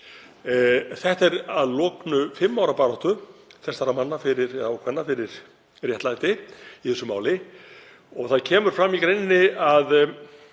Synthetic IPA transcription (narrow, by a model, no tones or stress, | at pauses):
θɛht̪ɛɾaðlɔːknʏfɪmːawɾapaːɾɔht̪ʏθɛsaɾamanːafɪɾɪɾɛðaɔkʰvɛnːafɪɾɪɾ̥ | rjɛht̪lajt̪ɪiθɛsːʏmaːwlɪ | ɔɣθaðcʰɛːmʏɾ̥fɾamːikɾejnɪnːɪað